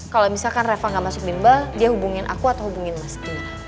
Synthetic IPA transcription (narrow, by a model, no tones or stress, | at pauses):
kalomisalkanrefaŋɡaʔmasʊk̚dimbadiahubuŋɪnʔa̰kuat̪awhubuŋɪnmast̪iɲa